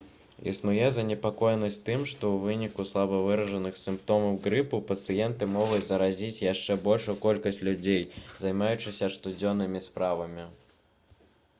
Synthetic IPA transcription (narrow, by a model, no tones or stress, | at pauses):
ḭsnujɛzɐnʲɛpakɔjnɐsʲtʲt̪ɨmʂt̪ɔwvɨnʲikuslˠabɐvɨɾɐʐɐnɨxsɨmpt̪ɔmɐwɡɾɨpɨpɐt̪sɨjɛnt̪ɨmɔɣut͡sʲzɐɾazʲit͡sʲjaʂt͡ʂɛbɔlʲʂujukɔlʲkɐsʲt͡sʲlʲud͡zʲejzɐjmajut͡ʂɨsʲɐʂt̪ud͡zʲɔnːɨmʲispɾavɐmʲi